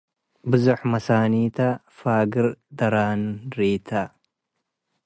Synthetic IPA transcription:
bɨzɐħmɐsaːniːt̪ɐ | faːɡɨɾd̪ɐɾaːnɾiːt̪ʰɐ

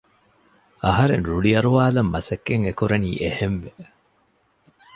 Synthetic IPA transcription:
ɐɦɐɾenɾuɭiɐɾuʋaːlɐmːɐsɐkːeŋekuɾɐniːʔehemʋe

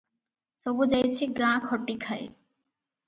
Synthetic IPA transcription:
sɔbud͡ʑajt͡ɕʰiɡãkʰɔʈːikʰaj

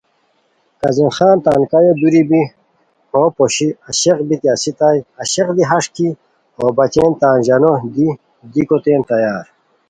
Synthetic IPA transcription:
kɐzinxaːnt̪aːnkajod̪uɾibi | hoːpoɕiɐɕeqbit̪iasit̪ajɐɕeqd̪iɦɐʂki | hoːbɐt͡ɕeːnt̪aːnʑɐnod̪i | d̪ikot̪eːnt̪ɐjaːɾ

